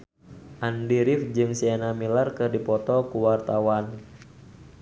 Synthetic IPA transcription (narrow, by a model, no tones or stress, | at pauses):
ʔandiɾifd͡ʒɨŋsianamilarkɨrdipɔt̪ɔkuwart̪awan